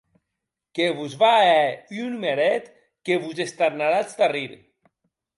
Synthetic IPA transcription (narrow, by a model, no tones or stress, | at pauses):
keβuzβaɛynmeɾɛt̪ | keβuzest̪aɾnaɾat͡st̪ariɾ